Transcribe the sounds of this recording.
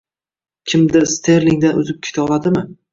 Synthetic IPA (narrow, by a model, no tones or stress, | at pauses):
kʲʰɪmd̪ɪst̪ʰeɾlɪŋd̪anʊzɪp̚kʲʰɪ̥t̪ʰɒlad̪ɪmɪ